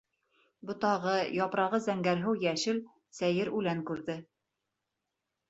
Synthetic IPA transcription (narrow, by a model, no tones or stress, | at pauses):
bŏt̪ɑʁɤjɑpɾɑʁɤzæŋɡæɾɦɘwjæʃɘl | sæjɘɾʉlæŋkʉɾðɘ